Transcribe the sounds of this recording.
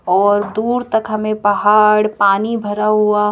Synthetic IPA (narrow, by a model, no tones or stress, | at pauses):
ɔːɾd̪uːɾt̪ɐkɦɐmẽpɐɦaːɽpaːnibʱɐɾaɦua